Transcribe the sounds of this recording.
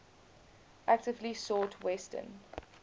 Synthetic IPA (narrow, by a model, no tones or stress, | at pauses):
ʔæk̚tɪvlisɔtʰwɛstə̰̃n